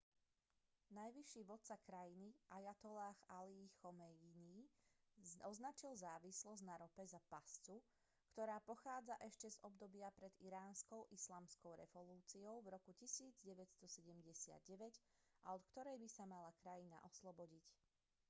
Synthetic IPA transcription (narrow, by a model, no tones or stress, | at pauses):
najʋiʃiːʋɔt̪t͡sakɾajiniʔajat̪ɔlaːxaliːxɔmɛjiniː | ɔznat͡ʃilzaːʋislɔznaɾɔpɛzapast͡su | kt̪ɔɾaːpɔxaːd͡zaʔɛʃcɛzɔb̚d̪ɔbɪapɾɛd̪iɾaːnskɔʊʔislaːmskɔʊɾɛ̰vɔluːt͡siɔʊvɾɔkucisiːd͡zɟɛʋɛcst̪ɔsɛɟɛmɟɛsɪa̰d̪ɟɛʋɛɟaɔt̪kt̪ɔɾɛjbisamalakɾajina̰ʔɔslɔbɔɟic